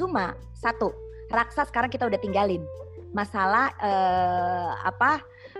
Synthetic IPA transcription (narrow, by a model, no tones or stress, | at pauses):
uma | sat̪u | raksasə̥kaɾaŋkit̪audaht̪iŋɡalɪnmasalahəː | a̰pa